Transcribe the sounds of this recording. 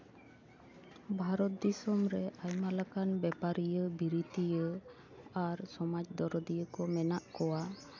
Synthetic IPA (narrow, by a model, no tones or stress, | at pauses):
bʱaɾɔt̪̚d̪isɔmɾɛʔajmalakanbɛpaɾijəbiɾit̪ijə | aɾsɔmad͡ʒd̪ɔɾɔd̪ijəkɔmɛnaʔkɔwa